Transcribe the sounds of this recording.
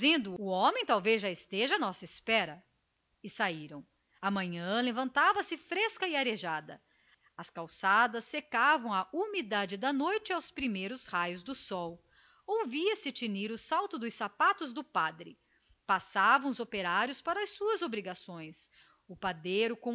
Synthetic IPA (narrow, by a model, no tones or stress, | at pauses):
zẽnd̪ʊʊõmẽj̃t̪awvezʒaɪst̪eʒɐanɔsɐispɛɾɐ | ɪsaiɾɐ̃w̃ | ɐmɐ̃ɲɐ̃levɐ̃nt̪avɐsɪfɾeskɐɪaɾeʒad̪ɐ | ɐskawsad̪ɐsːekavɐ̃w̃ɐʔumid̪ad͡ʒɪd̪ɐnojt͡ʃɪawspɾimejɾʊshajʊzd̪ʊsɔw | owviɐsɪt͡ʃiniɾʊsawt̪ʊd̪ʊsapat̪ʊzd̪ʊpad̪ɾɪ | pasavɐ̃w̃ʊzopeɾaɾjʊspaɾɐsuɐzobɾiɡasõj̃s | ʊpad̪ejɾʊkõ